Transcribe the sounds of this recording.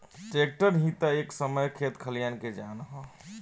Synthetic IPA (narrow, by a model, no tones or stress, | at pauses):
ʈek̚ʈəɾɦĩt̪aeksəməjkʰet̪kʰəlijanked͡ʒaːnɦɔ̃